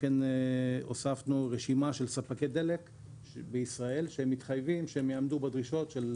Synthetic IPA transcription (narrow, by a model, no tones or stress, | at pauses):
kenosafnuʁeʃimaʃe̞lsapaked̪e̞le̞k | beisʁae̞lʃehemːit̪χajvimʃeemjeamdubed̪ʁiʃo̞tʃel